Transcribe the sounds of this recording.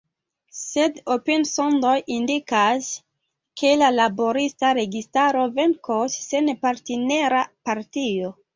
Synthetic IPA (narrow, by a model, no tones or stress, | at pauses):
sedopensondojindikas | kʰe̞lalaboɾistaɾe̞ɡistaɾo̞venkosːenpaɾteneɾapaɾtio̞